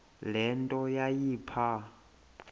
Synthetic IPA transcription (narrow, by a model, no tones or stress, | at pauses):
lɛntʼɔjajiːpʰa